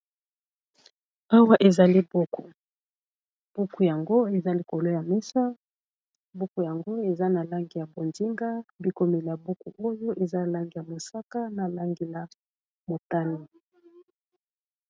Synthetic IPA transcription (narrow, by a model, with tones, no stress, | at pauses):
a˦wa˦ʔe˨za˨li˦bo˦ku˨ | b̥u˦ku˨ja˨ŋɡo˦e˨za˦li˨ko˨lo˦ja˨mɛ˦sa˦ | bu˦ku˨ja˨ŋɡo˦e˨za˦na˨la˦ŋɡi˨ja˨bo˨nzi˦ŋɡa˦bi˨ko˨me˨li˨ja˨bu˦ku˨ʔo˦jo˦ʔe˨za˦la˦ŋɡi˨ja˨mo˨sa˦ka˦na˨la˦ŋɡi˨la˨ | mo˨ta˦ni˨